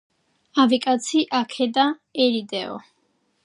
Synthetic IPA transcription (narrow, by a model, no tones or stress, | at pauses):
avikʼat̪sʰiʔakʰɛd̪aɛɾid̪ɛɔ̰